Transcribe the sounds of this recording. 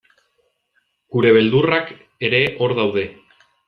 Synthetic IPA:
ɡ̥uɾe̞β̞e̞ld̪urak | e̞ɾe̞ʔo̞ɾðawðe̞

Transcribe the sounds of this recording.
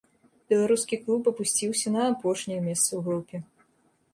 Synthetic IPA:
b̥ʲɛlˠaɾuskʲiklˠupɐpusʲt͡sʲiwsʲɐnɐːpɔʂnʲɛjɐmʲɛst̪sɐwɣɾupʲɛ

